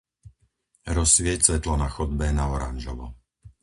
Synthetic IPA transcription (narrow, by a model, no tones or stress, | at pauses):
ɾɔsʋɪɛct͡sʋɛt̪lɔnaxɔd̪̚bɛnaɔɾa̰nʒɔʋɔ